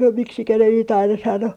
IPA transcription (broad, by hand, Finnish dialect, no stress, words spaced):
miksikæ ne niːt ɑinɑ sɑno